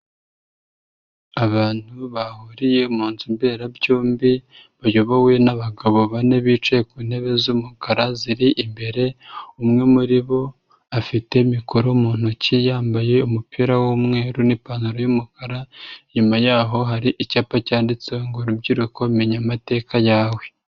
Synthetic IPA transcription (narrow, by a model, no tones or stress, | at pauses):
aβaːn̥huβahuɾijeumuːnzimbe̞ɾabɟoːmbi | βajoβawenaβaɡaβo̞βaneβit͡ʃe̞kuːn̥he̞βe̞zumukaɾaziɾiʔimbe̞ɾe̞umŋe̞muɾiβo̞ | afite̞mikoɾomuːn̥hucijaːmbaje̞umupʰiɾawomŋe̞ːɾunipanuɾojumukaɾaɲumajaːɦo̞ɦaɾiʔicaːpacaːndit͡seŋɡoɾubɟiɾuko̞meɲamate̞ːkajaːwe̞